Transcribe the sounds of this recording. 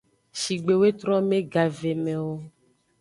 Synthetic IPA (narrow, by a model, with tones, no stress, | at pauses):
ʃi˨ɡ͡be˨we˦t̪ɾɔ˦mẽ˦ɡa˨ve˨mẽ˨wo˦